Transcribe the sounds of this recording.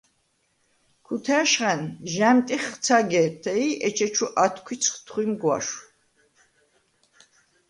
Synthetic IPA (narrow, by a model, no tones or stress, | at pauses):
kʰut̪ʰɛʃχɛnʒæmt̪ʼiχt͡sʰaɡɛt̪ʰɛiʔɛt͡ʃʰɛt͡ʃʰuʔat̪ʰkʰʷit͡sʰχt̪ʰχwimɡwa̰ʃ